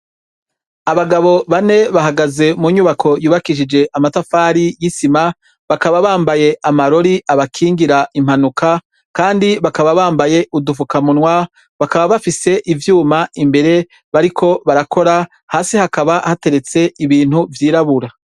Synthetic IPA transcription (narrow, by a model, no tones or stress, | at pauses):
aβaɡaβo̞βane̞βaɦaɡaze̞muɲuβakʰo̞juːβakiʃid͡ʒe̞ʔamatafaːɾijisima | βakaβaβaːmbaje̞ʔamaɾo̞ɾiʔaβakʰiːŋɡiɾaʔim̥hanukʰa | kaːndiβakaβaβaːmbaje̞ʔudufukamunwa | βakaβaβafise̞ʔivjuːmaʔimbe̞ɾe̞ | βaɾikʰo̞βaɾakʰo̞ɾa | haːsihakaβahate̞ɾe̞t͡se̞iβiːn̥huvjiːɾaβuɾa